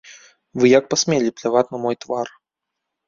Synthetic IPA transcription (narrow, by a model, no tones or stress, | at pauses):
vɨjak̚pasʲmʲelʲiplʲavat̪ʲnɐmɔjt̪var